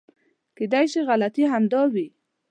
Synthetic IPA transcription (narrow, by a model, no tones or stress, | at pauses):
ked̪ajʃiɣalat̪iɦamd̪ɑwi